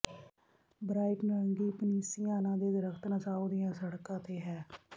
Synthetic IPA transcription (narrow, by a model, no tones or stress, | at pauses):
bɾaːipnəɾəŋɡiːpəniːsiːjãːnãːd̪eːd̪əɾəkʰt̪nəsaːuːd̪ɪjãːsəɽkãːt̪eːɦɛː